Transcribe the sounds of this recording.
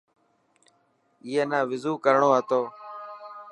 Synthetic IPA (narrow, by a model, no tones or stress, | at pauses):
iːeːnãːʋɪzuːkəɾɳoːət̪oː